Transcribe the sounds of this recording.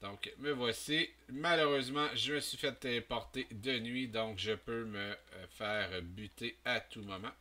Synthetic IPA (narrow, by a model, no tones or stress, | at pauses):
d̪̥ɔ̃kməvwasimaløʁøzmɑ̃ʒəməsɥifɛt̪əpɔʁt̪ed̪ənɥid̪ɔ̃kʒəpøməfɛːʁbyt̪eat̪umɔmɑ̃